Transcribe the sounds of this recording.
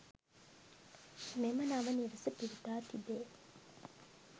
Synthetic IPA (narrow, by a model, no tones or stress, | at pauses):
memɐnaʋɐniɾəsəpiɾit̪aːt̪ibeː